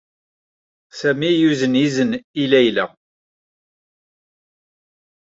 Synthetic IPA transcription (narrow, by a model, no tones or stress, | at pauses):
sæmijuzənizənilæjlæ̰